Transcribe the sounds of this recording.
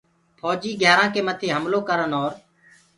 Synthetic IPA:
pʰɔːd͡ʒiːɡɛːɾãːkeːmət̪ʰiːɦəmloːkəɾənɦoːɾ

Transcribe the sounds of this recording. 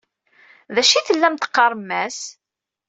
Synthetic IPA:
ðæʃiθəlːæmt̪ə̥qːɑɾˤmːæs

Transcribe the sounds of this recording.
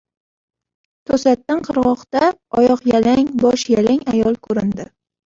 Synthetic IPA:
t̪ʰɵsat̪ːanqʰɨɾʁɒqt̪aɒjɒqjalaŋbɒʃjalaŋʲajɒlˠkʰɵɾɪnd̪ɪ

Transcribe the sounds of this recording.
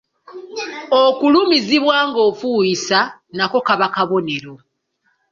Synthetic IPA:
okulumiziβwaːŋɡo̞ːfuːjisanako̞kaβakaβo̞ne̞ɾo̞

